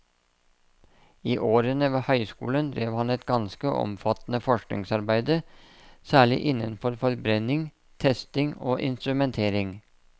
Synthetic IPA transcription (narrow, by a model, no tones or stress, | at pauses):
iːʔoːɾənəʋeːhœʏskṵːlənd̪ɾeːʋhɑnɛt̪ɡɑnskəʔɔ̰mfɑt̪n̩əfɔʂknɪ̰ŋsɑɾbæɪd̪ə | sæːɭɪ̰ʔɪnənfɔɾfɔɾbɾɛnɪŋ | t̪ʰɛst̪ɪŋo̰ːʔɪ̰nst̪ɾʉmɛnt̪ʰeːɾɪŋ